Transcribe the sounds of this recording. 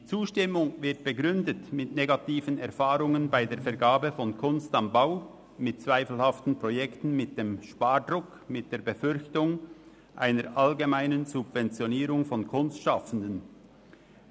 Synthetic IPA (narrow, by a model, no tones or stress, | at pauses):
d̥iːt͡suːʃtɪmʊŋvɪɐt̚b̥əɡʁʏndətmɪtneɡatiːvənɛɐfaːɾʊŋənbaɪdeːɐfɛɐɡaːbəfɔnkʰʊnstambaʊ | mɪt̚t͡sv̥aɪfl̩haftn̩pʁ̥ɔjɛktn̩mɪt̚d̥eːmʃpaːɾdʁʊk | mɪt̚d̥eːɐbəfʏɾçtʊŋ | ʔa̰ɪnəɾʔalɡemaɪnənzʊbvɛnt͡sjoniːɾʊŋfɔnkʰʊnstʃafən̩dən